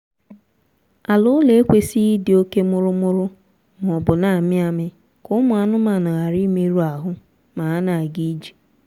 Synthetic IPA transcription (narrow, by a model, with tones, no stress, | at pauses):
a˨lʊ˦le˦e˦kʷe˦si˦dɪ˨o˦ke˦mʊ˦ɾʊ˦mʊ˦ɾʊ˦ | m˨ɔ˨bʊ˨na˨a˨mɪ˦a˨mɪ˦ | kʊ˦ʊ˦mʊ˨a˨nʊ˦ma˨nʊ˨ɣa˨ɾi˦me˦ɾu˦a˨ɦʊ˦ | ma˨a˦na˨a˨ɡi˦d͡ʒi̥˨